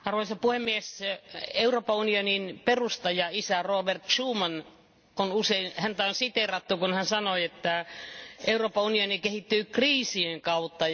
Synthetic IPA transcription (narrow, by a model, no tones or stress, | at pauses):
ɑrʋoisɑpuhemːieseuroːpɑunioninperust̪ɑjɑisæroːbert̪ʃuːmɑn | onuseinhænt̪æonsit̪erɑt̪ːukunhænsɑnoiet̪ːæʔeuroːpɑunionikehit̪ːyːkriːsieŋkɑut̪ːɑ